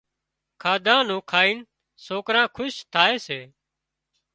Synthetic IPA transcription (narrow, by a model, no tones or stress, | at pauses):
kʰaːd̪ãːnũːkʰaːiːn | soːkɾãːkʰʊʃt̪ʰaːeːseː